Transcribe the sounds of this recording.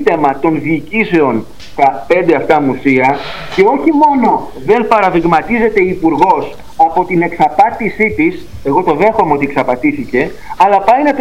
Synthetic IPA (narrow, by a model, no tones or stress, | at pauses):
t̪emɐt̪o̞nðiːcise̞o̞n | t̪ɐpe̞nd̪eɐft̪ɐmusiɐ | ce̞o̞çimo̞no̞ | ðe̞npɐɾɐðiɣmɐt̪ize̞t̪e̞ipuɾɣo̞s | ɐpo̞t̪ine̞ksɐpɐt̪isit̪is | e̞ɣo̞t̪o̞ðe̞xo̞meo̞t̪ieksɐpɐt̪iθice̞ | ɐlɐpɐjnɐt̪